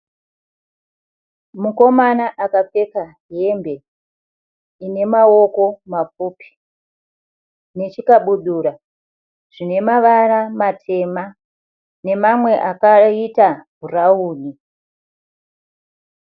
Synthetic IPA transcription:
muko̞manaʔakap͡fe̞ka | ɦe̞mbe̞ | ine̞mao̞ko̞map͡fuːpi̥ | ne̞t͡ʃikaɓuɗuːɾa | ʐ̥ine̞maʋaramatʰe̞ma | ne̞mamwe̞ʔakaitabʱurauːni

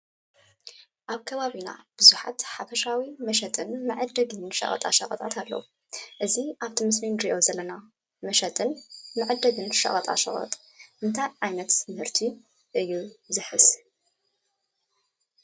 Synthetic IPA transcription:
ʔaβkʰɐβaβina̰b̥ɨzuħa̰t̪ħafɐʃawimɐʃɐt̪ʼɨnmɨʕɨd̪ːɐɡɨnʃɐ̰χʼɐ̰t̪ʼa̰ʃɐχʼɐt̪ʼat̪ʰalːɐ̰wu | ʔɨziʔaβt̪ʰimɨs̬minɾiʔo̞zɐlːɐna | mɐʃɐt̪ʼɨnmɨʕɨd̪ːɐɡɨnʃɐ̰χʼɐt̪ʼa̰ʃɐ̰χʼɐ̰t̪ʼ | ʔɨnt̪ʰajʕajnɐt̪sɨmɨhɨɾt̪ʰi | ʔɨjːuzɨħɨs

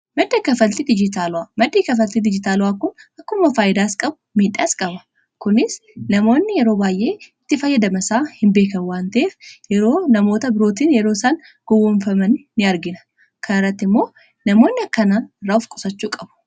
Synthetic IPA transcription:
mɐd̪ːɐkɐfɐlt̪id̪ɪd͡ʒɪt̪aːlʊwaːmɐd̪ːiːkɐfɐlt̪id̪ɪd͡ʒɪt̪aːlʊwaːkʊnɐkːʊmːɐfaːjɪd̪aːskʼɐbʊmiːᶑaːskʼɐbɐ | kʊnɪsnɐmo̞ːnːɪjɛɾo̞ːbaːjʔe̞ːɪt̪ːɪfɐjːɐd̪ɐmɐsaːhɪmbe̞ːkɐwaːnt̪ɐʔeːfjɛɾo̞ːnɐmo̞ːt̪ɐbɪɾo̞ːt̪iːnjɛɾoːsaːn | ɡ̥ɔwːʊɱfɐmɐnːɪɐɾɡɪnɐ | kʰɐnɐrːɐt̪ːɪmːo̞ː | nɐmo̞ːnːɪɐkːɐnaːrːaːʊfkʼʊ̥sɐt͡ʃːuːkʼɐbʊ̥

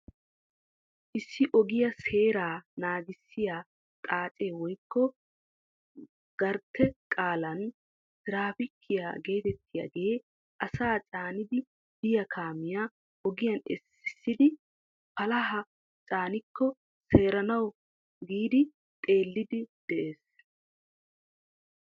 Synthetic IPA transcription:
ʔɪsːɪʔɔɡɪjɐse̞ːɾaːnaːɡɪsːɪjaː | t̪ʼaːt͡ʃʼe̞ːwɔjkːɔ | ɡ̥ɐɾt̪ʰːɛkʼaːlɐn | sɪɾaːfɪkʰːɪja̰ɡe̞ːt̪ɛt̪ʰːɪja̰ɡe̞ː | ʔɐsaːt͡sʼaːnɪd̪ɪ | d̪ɪjɐkʰaːmɪjaː | ɔɡɪjɐnɛ̰sːɪ̥sːɪd̪ɪ | pɐlɐɦɐ | t͡sʼaːnɪkʰːɔ | se̞ːɾɐnɐw | ɡiːd̪ɪ | t̪ʼe̞ːlːɪd̪ɪd̪̥ɛʔe̞ːs

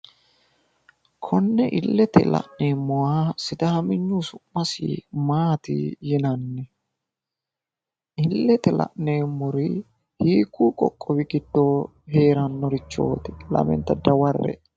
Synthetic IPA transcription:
kʰɔnːɛʔɪlːɛt̪ɛ̰lɐ̰ʔneːmːɔwasɪd̪ɐhɐmɪɲːuːsʊmːɐsḭmaːt̪ɪ̰jɪnɐnːɛ | ʔɪlːɛt̪ɛlɐ̰ʔneːmːɔɾɪ | hiːkːuːkʼɔkʼːɔwɪɡɪd̪ːoː | ɦe̞ːɾɐnːɔɾɪt͡ʃːo̞̰ːt̪ɛ̥lɐ̰mɛ̰nt̪ːɐd̪ɐwɐrːɛ̰

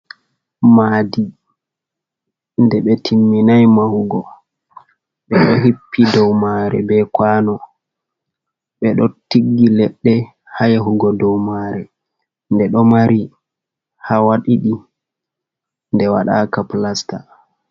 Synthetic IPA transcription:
maːdi | ndɛɓɛtʰimːinajmahuɡɔ | ɓɛɗɔɦipːidɔwmaɾɛ̰bɛkwaːnɔ | ɓɛɗɔtiɡːilɛɗːɛ | hajaɦuɡɔdɔwmaːɾɛ | ndɛɗɔmaɾi | hawaɗiɗi | ndɛwa̰ɗa̰kaplasta

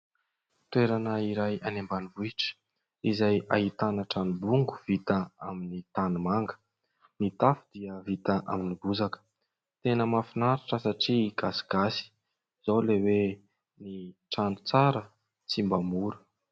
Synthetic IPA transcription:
t̪weɾanaiɾajanembanivuiʈ͡ʂə̥ | izaja̰ɦit̪anəʈ͡ʂanubuŋɡu̥v̥it̪əa̰minit̪anumaŋɡə̥ | nit̪afud̪̥iəvit̪əʔa̰minibuzakə̥ | t̪enəmafinaɾaʈ͡ʂəsaʈ͡ʂiɡasi̥ɡ̥asi̥ | z̥awlewe | niʈ͡ʂanu̥t͡saɾə | t͡simbamuɾu̥

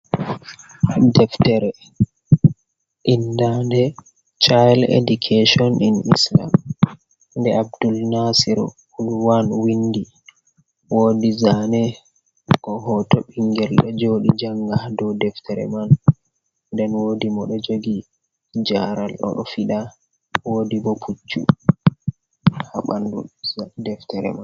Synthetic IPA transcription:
dɛftɛɾɛ | ʔindandɛ | t͡ʃajlḛdukʰeʃɔninḭsla̰m | ndɛʔab̚dulnasiɾɔ̰ | ulwanwindi | wodizanɛ | kɔɦɔtɔɓiŋɡɛlɗɔd͡ʒoɗid͡ʒaŋɡahdɔdɛftɛɾɛ̰man | ndɛnwodimɔɗɔd͡ʒoɡi | d͡ʒaɾalɗɔ̰ɗɔfiɗa | woːdibɔpʰut͡ʃːṵ | haɓandudɛftɛɾɛ̰mann

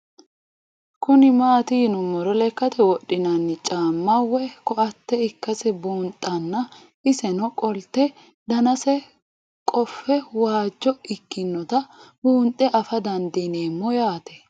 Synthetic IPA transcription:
kʊnɪmaːt̪ɪnʊmːɔɾɔlɛkːɐt̪ʰɛwɔɗːɪnɐnːɪt͡ʃʼaːmːɐwːɛkɔɐt̪ːɛɪkːɐsɛbuːnt̪ʼːɐnːɐ | ɪsɛnɔkʼɔlt̪ːɛ | d̪ɐnɐsɛ | kʼɔfːɛwaːd͡ʒːɔɪkːɪnːɔt̪ɐbuːnt̪ʼːɛʔɐfɐd̪ɐnd̪ineːmːɔjaːt̪ɛ̥

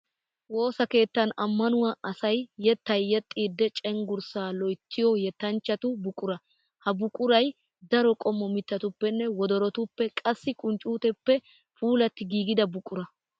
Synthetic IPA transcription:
wo̞ːsɐke̞ːt̪ːɐnɐmːɐnʊwaɐsɐjːɛt̪ːɐjːɛt̪ʼːiːd̪ːɛt͡ʃʼɛŋɡʊɾsaːlɔjt̪ʰːɪjɔjɛt̪ːɐnt͡ʃːɐt̪ʊbʊkʼːʊɾɐ | hɐbʊkʼʊɾɐj | d̪ɐɾɔkʼɔmːɔmɪt̪ːɐt̪ʊpːɛnːɛwɔd̪ɔɾɔt̪ʊpːɛkʼɐsːɪkʼʊnt͡ʃʼuːt̪ɛpːɛ | fuːlɐt̪ːɪɡiːɡɪd̪ɐbʊkʼːʊɾɐ

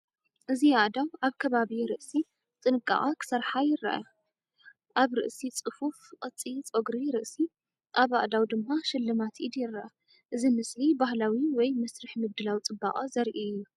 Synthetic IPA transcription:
ʔɨziaʔd̪awaβkʰɐβaβiɾɨʔsi | t̪ʼɨnɨkʼːa̰ʔʼakʰɨ̥sɐɾħajɪɾːɐ̰ʔa̰ | ʔaβɾɨ̰ʔsit͡sʼɨfufqʼɨt͡sʼit͡sʼoɡɾiɾɨʔsi | ʔaβa̰ʔd̪awd̪ɨmːaʃɪlːɨmat̪ʰʔid̪jɪɾːɐʔa | ʔɨzimɨslibahlawiwɔjmɐsɾɨħmɨβd̪ɨlawit͡sʼɨba̰χʼazɐɾʔiɨjːu

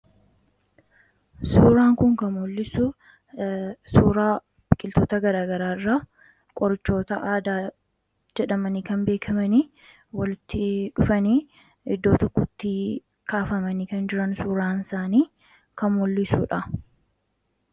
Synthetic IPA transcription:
suːɾaːŋkʊŋkɐmolːɪsʊ | suːɾaː | bɪkʼːɪlt̪oːt̪ɐɡɐɾaːɡɐɾaːɪrːa | kʼɔɾɪt͡ʃːo̞ːt̪ɐʔaːd̪aː | d͡ʒɛᶑɐmɐniːkɐnbe̞ːkʰɐmɐniː | wɐlɪt̪ːɪᶑʊfɐniː | ɪd̪ːoːt̪ɔkːɔt̪ːɪ | kaːfɐmɐniːkɐnd͡ʒɪɾɐnsuːɾaːnɪsaːniː | kɐmɔlːɪsuːᶑɐ

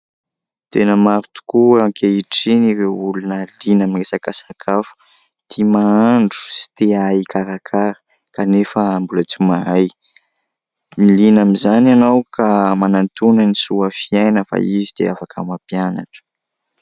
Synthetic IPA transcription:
t̪enəmaɾut̪u̥kuakʰeiʈ͡ʂiniɾeulunəlinamiesakasakʰafu̥ | t̪ʰimaaɳɖ͡ʐu̥si̥t̪eaikʰaɾakʰaɾə | kanefəːmbulət͡simaɦaj | milinamizananawkamanant̪unənisuəfiajnəfa̰izid̪̥ḛafakʰamapijana̰ʈ͡ʂə̥

